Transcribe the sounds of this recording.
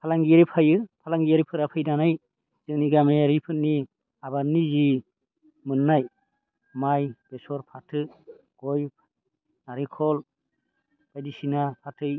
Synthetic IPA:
pʰalaŋɡijaɾipʰajɯpʰalaŋɡijaɾipʰɯɾapʰɯjdanaj | zɯŋniɡameaɾipʰɯnːi | abanizi | mɯnːaj | majb̥esɔɾpʰatʰɯ | ɡ̥ɔj | naɾikʰɔl | b̥ajdisinapʰatʰɯj

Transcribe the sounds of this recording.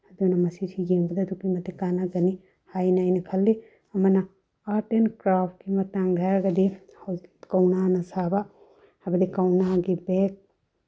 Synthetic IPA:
ɐdunɐmɐsisʰiɡeŋbɐdɐːdukːimɐtikanaɡɐni | hajnaajnɐkʰɐlːi | ɐmɐnɐ | aɾtenkɾapʰt̚kimɐtaŋdʱaɾaɡɐdi | hɐwkɐwnanɐsaba | hajbɐdikɐwnaɡibek̚

